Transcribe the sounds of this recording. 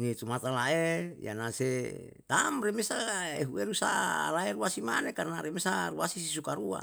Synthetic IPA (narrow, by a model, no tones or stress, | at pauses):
nit̪umat̪alaeja̰nase | t̪amremesaeɦueɾusa̰laeɾuasimanekarnaɾemesaruasisisukaɾua̰